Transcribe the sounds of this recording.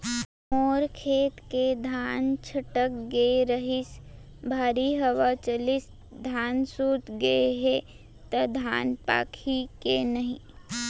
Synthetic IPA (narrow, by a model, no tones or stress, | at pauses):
moːɾkʰeːt̪ked̪ʱaːnt͡ʃʰɐʈəkɡeɾəɦɪs | bʱaːɾiɦəʋat͡ʃɐlɪs | d̪ʱaːnsuːt̪ɡəeɦe | t̪ɐd̪ʱa̰ːnpa̰ːkʰikenɐɦĩ